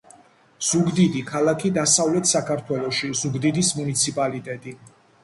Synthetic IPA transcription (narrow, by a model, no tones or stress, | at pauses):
z̥uɡd̪id̪ikʰalˠakʰid̪asavlɛt̪ʰsakʰaɾt̪ʰwɛlˠɔʃizuɡd̪id̪ismunit̪sʰipʼalit̪ʼɛt̪ʼi